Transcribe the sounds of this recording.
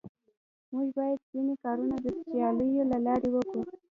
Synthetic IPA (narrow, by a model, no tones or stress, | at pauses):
muʒbɑjad̪zinekɑɾunad̪əst̪ijɑləjolalɑɾewəku